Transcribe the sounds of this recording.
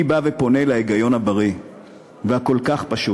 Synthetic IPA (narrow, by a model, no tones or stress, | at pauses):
ibavepo̞ne̞laeɡajo̞nhabaʁi | vehako̞lkaχpaʃu